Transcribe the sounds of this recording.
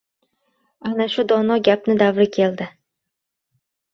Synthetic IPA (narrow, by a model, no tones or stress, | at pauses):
anaʃʊd̪ɒnɒɡʲapnɪd̪avɾɪkʲʰe̞ld̪ɪ